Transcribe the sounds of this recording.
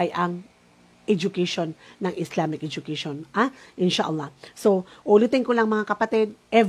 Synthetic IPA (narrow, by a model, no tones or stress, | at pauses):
ajʔɐŋ | ʔɛd͡ʒʊkɛjʃonːɐŋʔɪslamɪk̚ʔɛd͡ʒʊkeʃonʔaʔɪnʃaʔɐlˠːɑhsoʔʊlɪt̪ɪŋkolɐŋmɐŋakɐpɐt̪ɪd̪̚ʔɛv